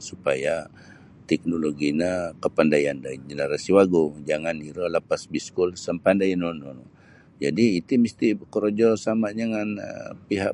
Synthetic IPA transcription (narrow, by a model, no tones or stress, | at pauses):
supaja | t̪ɛk̚noloɡinakəpandajandad͡ʒənəɾasiwaɡod͡ʒaŋaniɾɔləpasbiskulsəmpandajanɔnɔnɔ | d͡ʒadiːt̪uməst̪ikəɾod͡ʒɔsamaɲaŋanə̰piɦaʔ